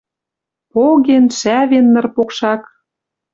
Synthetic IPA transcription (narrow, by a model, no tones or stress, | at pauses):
poɣenʃæβenːɤ̆rpokʃɑk